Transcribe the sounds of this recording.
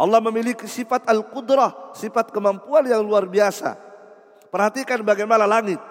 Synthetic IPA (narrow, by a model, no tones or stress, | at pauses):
ʔɑlːɑhməmilikisifat̪alkud̪ɾahsifat̪̚kəmampuanjaŋluarbiasa̰ | pərhat̪ikanbaɡajmanalaŋɪt̪̚